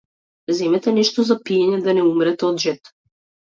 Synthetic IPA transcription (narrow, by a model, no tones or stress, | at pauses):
zɛmɛt̪anɛʃt̪ɔzapiɛɲɛd̪anɛumɾɛt̪ɛɔd̪ʒɛt̪